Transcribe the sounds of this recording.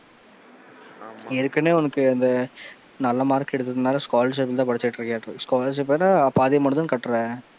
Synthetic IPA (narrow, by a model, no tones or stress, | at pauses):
ɪɾɯkːɐneːɔnɐkːɯɐnd̪ɐ | nɐlːɐmaːɾkːɛɽɯt̪̬ːɐðɯnaːlɐskoːlɐɾʂ̬ep̬ːɪlt̪ãːpɐɽɪt͡ʃːɐʈːɪɾɯkːjaːʈːɾɯskoːlɐɾʂ̬ɪpːenːaːpːaːðɪjɐmɐɳd̪ɯnkɐʈːɾɛ̃ː